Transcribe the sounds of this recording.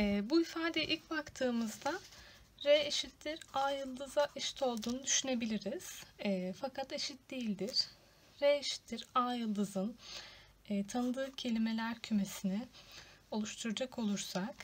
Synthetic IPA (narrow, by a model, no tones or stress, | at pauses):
ɛːbuifaːd̪eʔilʲcbakt̪ʰɯːmɯzd̪a | ɾeeʃit̪ːiɾaːjɯlˠd̪ɯzaʔeʃi̥t̪ʰo̞lˠd̪uːnud̪yʃyne̞bilʲiɾiz̥ɛfakʰat̪e̞ʃit̪̚d̪ejilʲd̪iɾ̥ | ɾeeʃi̥t̪liɾaːjɯlˠd̪ɯzɯn | ɛːt̪ʰanɯd̪ɯːcʰe̞lʲime̞lʲæɾcʰyme̞sinɪo̞lˠuʃt̪ʰuɾad͡ʒakʰo̞lˠuɾsak